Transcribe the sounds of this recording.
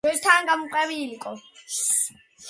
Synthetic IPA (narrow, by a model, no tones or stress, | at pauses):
ɔzt̪ʰaːŋɡamuqʼɛβiːlikʼɔ